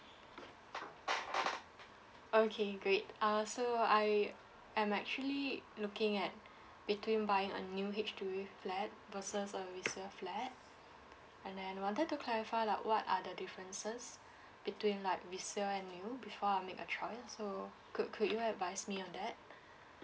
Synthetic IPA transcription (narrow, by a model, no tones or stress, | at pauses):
okʰeɡɹet̚asoaɪ | ɛ̃mɛk̚t͡ʃuəlilukɪ̃ŋɛt̚ | b̥itʰwĩnbaɪɪ̃ŋə̰njuɦit͡ʃtueflɛt̚vəsəsəvisəflɛt̚ | ɛ̃ndɛ̃nawɔ̃ntət̚tːukʰlɛɹifaɪlaɪkwɔtadədifɹə̃nsəs | b̥itwĩnlaɪk̚visəɛ̃nːjubifɔamekətʰɹɔɪso | kʰukʰudjuɛdvaɪsmiɔ̃ndɛt̚